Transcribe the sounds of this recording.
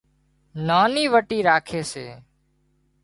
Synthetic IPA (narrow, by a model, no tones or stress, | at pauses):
naːniːʋəʈiːɾaːkʰeːsḛː